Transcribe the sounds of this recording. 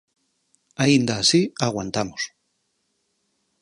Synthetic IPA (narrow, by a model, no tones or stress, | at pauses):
aind̪aːsiaɣwant̪amos